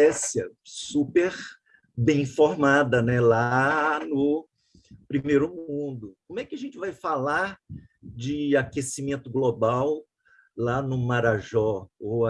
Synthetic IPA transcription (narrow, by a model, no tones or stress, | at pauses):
ɛsjɐsupeɾ | bẽj̃foɾmad̪ɐnɛlanʊ | pɾimejɾʊmũd̪ʊkõmʊɛkɪɐʒẽnt͡ʃɪvajfalaɾ | d͡ʒɪakesimẽnt̪ʊɡlobaw | lanʊmaɾaʒɔo